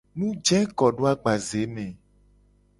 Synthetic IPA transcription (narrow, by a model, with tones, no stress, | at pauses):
nũ˦d͡ʒɛ̃˦kɔ˨ɖo˦a˦ɡ͡ba˨ze˨˦mɛ̃˨